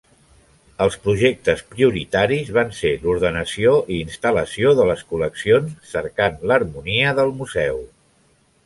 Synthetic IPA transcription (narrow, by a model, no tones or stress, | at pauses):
əlˠspɾuʒek̚t̪əspɾiuɾit̪aɾizβanseluɾðənəsioʔiːnst̪ələsioðələskuləksionsːəɾkanlərmuniəðəlˠmuzɛw